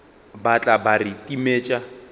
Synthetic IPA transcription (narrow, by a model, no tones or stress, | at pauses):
bat͡ɬʼabaritʼimeːt͡ʃʼa